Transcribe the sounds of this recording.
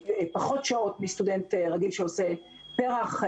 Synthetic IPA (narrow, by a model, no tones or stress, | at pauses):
paχo̞tʃao̞tmist̪udentʁaɡilʃeose | peʁaχ